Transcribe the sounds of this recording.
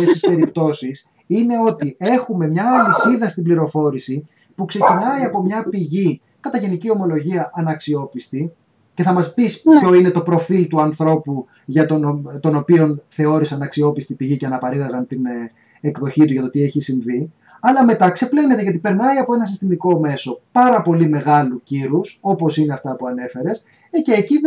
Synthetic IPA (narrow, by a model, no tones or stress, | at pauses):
ft̪est̪ispe̞ɾipt̪o̞sis | ine̞o̞t̪ie̞xume̞mɲɐːlisiðɐst̪ibliɾo̞fo̞ɾisi | pukse̞cinɐiɐpo̞mɲɐpiʝi | kɐt̪ɐʝe̞nicio̞mo̞lo̞ʝiɐʔɐnɐksio̞pist̪i | ce̞θɐmɐspispço̞ine̞t̪o̞pɾo̞filt̪uɐnθɾo̞pu | ʝɐt̪ont̪o̞no̞pio̞nθe̞o̞ɾisɐnɐksio̞pist̪ipiʝiceɐnɐpɐɾilɐɣɐnt̪in | ekðo̞çit̪uʝɐt̪ot̪ie̞çisiɱvi | ɐlɐme̞t̪ɐkse̞ple̞ne̞t̪eʝɐt̪ipe̞ɾnɐiɐpo̞e̞nɐsist̪imiko̞me̞so̞pɐɾɐpo̞lime̞ɣɐluciɾuso̞po̞sineɐft̪ɐpuɐne̞fe̞ɾe̞s | eceːci